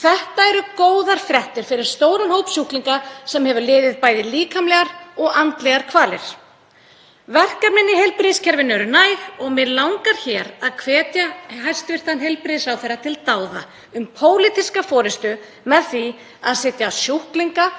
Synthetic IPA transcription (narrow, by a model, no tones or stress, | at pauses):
θɛht̪aɛɾʏkoːwðaɾ̥fɾɛht̪ɪɾ̥fɪɾɪɾ̥st̪oːwɾʏnhowpsjuhkliŋkasɛmhɛvʏɾlɪːðɪðpaːjðɪliːkʰamlɛɣaɾɔɣant̪lɛɣaɾ̥kʰvaːlɪɾ̥ | vɛr̥kaɾnɪnːɪɦejlpɾɪscʰɛɾvɪnːɛɾʏnaːjɣɔɣmɛðlawŋkaɾ̥çɛːɾaðkʰvɛːt̪jaɦajst̪vɪr̥t̪anɦejlpɾɪsawθejɾːat̪ʰɪlt̪aːwða̰ | ʏmpʰoːwlɪt̪iskafɔːɾɪst̪ʏ | mɛðθvi | aðsɪːt̪jaːsjuhkliŋka